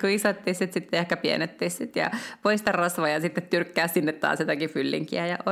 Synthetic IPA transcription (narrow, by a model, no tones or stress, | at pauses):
kuisot̪ːihsit̪sit̪ːeehkæpiḛnet̪ːissit̪jɑ̰poist̪ɑrrɑsʋɑjɑsit̪ːet̪t̪yrkːæːssinːet̪tɑ̰ːsjot̪ɑkifylːḭŋkḭæjɑʔo